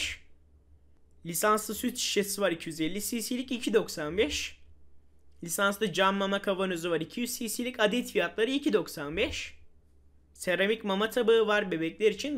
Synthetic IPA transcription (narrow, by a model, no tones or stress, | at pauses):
ʃ | lʲisanslˠɯsyt̪i̥ʃesivaɾicʰijyzelʲːisiːsilʲicicʰid̪o̞ksanbɛʃ | lʲisanslˠɯd͡ʒamːamakʰavanøzuvaɾicʰijyzsisilʲicad̪ɛt̪fijat̪lˠaɾɯicʰid̪o̞ksanbɛʃ | seɾamicmamat̪ʰabaɯvaɾbe̞bɛclʲɛɾit͡ʃʰin